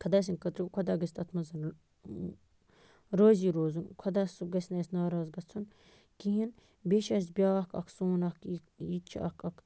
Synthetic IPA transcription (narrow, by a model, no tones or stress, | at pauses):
kʰɐd̪aːs̬inkɐt̪ɾikʰɐd̪aːɡɐsʲt̪ɐt̪ʰmɐzɐn | ɾoːziːɾoːzunkʰɐd̪asɡɐsʲnɐsnaːɾaːzɡɐt͡sʰːun | kiɦin | beʃɐs̬bʲaːkɐ̰kʰsoːnɐkʰ | jit͡ʃʰɐ̰kʰɐk